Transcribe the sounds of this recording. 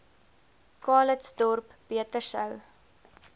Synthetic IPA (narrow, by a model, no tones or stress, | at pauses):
kwɑːlətsdɔrpb̥iətərsə̰w